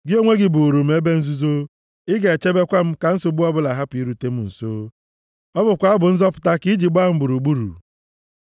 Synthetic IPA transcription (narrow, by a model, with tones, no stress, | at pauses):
ɡɪ˦o˦ŋʷe˦ɡɪ˨bʊ˨ɾu˨m̩˦e˦be˦n̩˦zu˦zo˦ | ɪ˦ɡe˨t͡ʃe˦be˦kʷa˦m̩˦ka˨n̩˦sʊ˦bu˦ɔ˦bʊ˦la˨ɦa˦pʊ˨i˦ɾu˨te˦m̩˦n̩˨soː˦ | ɔ˦bʊ˨kʷa˨˦a˦bʊ˨n̩˦zɔ˦pʊ̥˨ta˦ki˦d͡ʒi˨ɡ͡ba˦˨m̩˦bʊ˨ɾu˨ɡ͡bu˦ɾṵ˨